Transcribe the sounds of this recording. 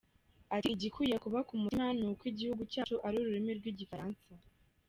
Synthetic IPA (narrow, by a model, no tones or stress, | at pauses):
atiɟikujekuβakumumanukwiɟihuɡucaːt͡ʃuʔaɾuɾuɾimiɾɡwiɟifaɾaːnsa